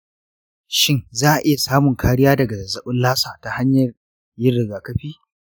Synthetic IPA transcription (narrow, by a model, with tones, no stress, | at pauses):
ʃɪ˦ŋzaː˦˨ʔɪ˦ja˨saː˦mʊ˨ŋkʰaː˦ɽɪ˦jaː˦dɐ˨ɡa˨zɐ˨zɐ˦ɓʊ˦nlaː˦saː˨ta˨ha˦ɲjɐ˨r | jɪ˦rɽɪ˨ɡaː˨kɐ˦ɸiː˦